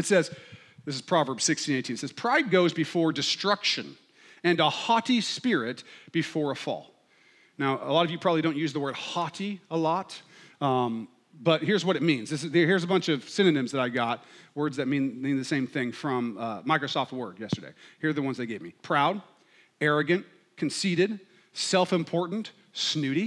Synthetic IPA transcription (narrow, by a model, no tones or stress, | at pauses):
ɨtsɛz̥ | ðɪs̬ɨz̥pʰɹ̥ɑvə˞bz̥sɪkstʰĩneɪtʰĩnɨtsɛz̥pʰɹ̥aɪd̚ɡoʊzbɨfɔɹdɨstɹ̥ʌkʃɨ̰̃n | ɨ̃nəhɑɾispɪɹɪt̚b̥ɨfɔɹəfɔ̰lˠ | naʊʔə̰lɔɾʌvjɨpʰɹ̥ɑblidõʊ̃ntjʉzðəwɜ˞d̚hɑɾiəlɔt̚ | b̥ʌt̚hɪɹzwʌɾɨt̚mĩnzðɪsɨðhiɹzəbʌ̃nt͡ʃʌv̥sɪ̃nɨnɨ̃mzðɨɾaɪɡɑt̚wɜ˞dzðɨt̚mĩnmĩnðɨsẽɪ̃mθɪ̃ŋfɹʌ̃mmaɪkɹɨsɔft̚wɜ˞djɛstə˞dḛɪhiɹðɨwʌ̃nzðeɪɡeɪvmipʰɹ̥aʊd̚ | ɛɹɨɡɨ̃n | kʰn̩siɾɨd̥ | sɛlˠfɨ̃mpʰɔɹʔn̩t | snʉɾi